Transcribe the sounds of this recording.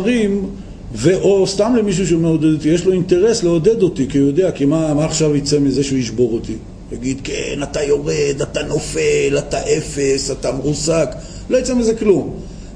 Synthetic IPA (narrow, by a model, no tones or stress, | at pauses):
ʁim | veʔost̪amlemiʃ̬uʃ̬emeod̪ed̪ot̪ijeʃlo̞int̪e̞ʁe̞sleod̪e̞d̪o̞t̪ikijo̞d̪e̞akimamaːχʃavit͡semizeʃujiʃbo̞ʁot̪i | jaɡid̪kḛnat̪ajo̞ʁed̪at̪ano̞felat̪aʔe̞fesat̪ameʁusak | lo̞jit͡semizeklum